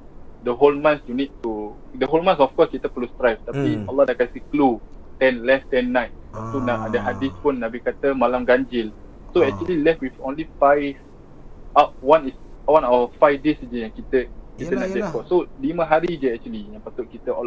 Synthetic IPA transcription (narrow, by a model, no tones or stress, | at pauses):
dəɦolmãnsjunit̚t̪udəɦolmãnsɔfkɔskit̪əpəlust̪ɾajft̪apialːɔdakansiklut̪ɛ̃nlɛst̪ɛ̃nːajt̪̚t̪unaʔadəɦadispunːabikat̪əmalamɡãɲd͡ʒil | soɛk̚t͡ʃuəlilɛft̚wifõ̰nlifajv | aʔ̚wãniswãnawəfajfdesd͡ʒəjãŋkit̪əkit̪ənaʔd͡ʒɛkɔsoliməɦaɾid͡ʒəɛk̚t͡ʃuəlijãŋpat̪ʊʔ̚kit̪əɔl